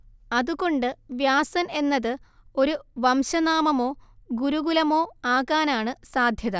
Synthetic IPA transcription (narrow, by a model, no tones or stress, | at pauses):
ɐðuɣo̞ɳɖɨʋjaːsɐne̞nːɐðɨo̞ɾuʋɐmɕɐnaːmɐmo̞ːɡuɾuɡulɐmo̞ːaːɣaːnaːɳɨsaːd̪ʱjɐðɐ